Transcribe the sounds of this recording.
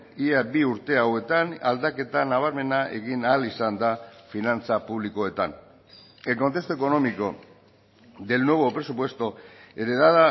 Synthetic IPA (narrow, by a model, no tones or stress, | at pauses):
iabiuɾt̪e̞awe̞t̪anald̪ake̞t̪anaβ̞aɾme̞naʔe̞̰ɣinalisand̪afinant͡sapuβliko̞e̞t̪an | eko̞nt̪e̞st̪oeko̞no̞miko̞ | ðe̞lno̞βo̞pɾe̞supwe̞st̪o̞e̞ɾe̞ðaða